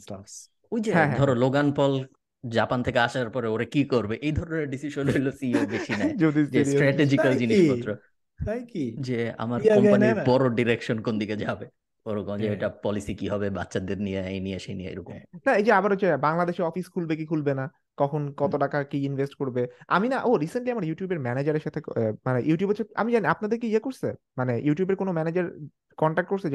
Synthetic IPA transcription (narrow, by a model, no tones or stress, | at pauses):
sas | ojd͡ʑeɦɛ̃ɦɛ̃d̪ʱɔɾoloɡanpɔl | d͡ʑapant̪ʰekeaʃaɾpɔɾeoɾekikoɾbeʔejd̪ʱɔɾoneɾɖisiʃonɦojlosiobeʃinɛd͡ʒod̪isd͡ʑesʈɾɛʈed͡ʑikald͡ʑiniʃɔt̪ːɾo | t̪ajkid͡ʑea̰maɾɔmpaniɾbɔɾoɖiɾekʃonkond̪iked͡ʑabe | oɾokɔd͡ʒeejʈapɔlisikiɦɔbeba̰tːʃʰad̪eɾnijeejnieʃenijḛḛɾokumnaejd͡ʑeabaɾɦot͡ɕʰːebaŋlad̪eʃeɾɔfiskʰulbekikʰulbena | kɔkʰonkɔt̪oʈakakiinvʱesʈkoɾbea̰minaʔoɾiseɳʈliamaɾjuʈijubeɾmɛned͡ʑaɾeɾʃat̪ʰemanejuʈijubɦot͡ɕʰea̰mid͡ʑaniapnad̪eɾkiiekoɾsḛ | manejuʈijubeɾkonomɛned͡ʑaɾ | kɔɳʈak̚ʈ̚koɾsʰe